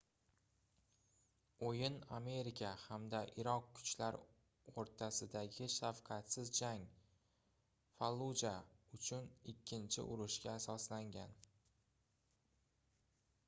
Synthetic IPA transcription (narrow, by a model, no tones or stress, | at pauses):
ojɪname̞ɾɪkʲʰahamd̪aʔɪɾɒqkʰʊ̥t͡ʃlaɾ | oɾt̪ʰasɪd̪aɡʲɪʃafqʰɑt̪sɪzd͡ʒaŋ | falˠːud͡ʒaʊt͡ʃʰʊnɪkʲʰːɪnt͡ʃʰɪ̰ʔʊɾʊʃkʲaːsɒslaŋɡʲan